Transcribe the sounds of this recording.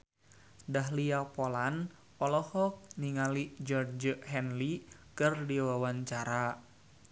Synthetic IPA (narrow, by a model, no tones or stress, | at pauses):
daɦliapolan | ɔlɔhɔk̚niŋalid͡ʒɔrd͡ʒəʔhɛnlikɨrdiwawaɲt͡ʃaɾa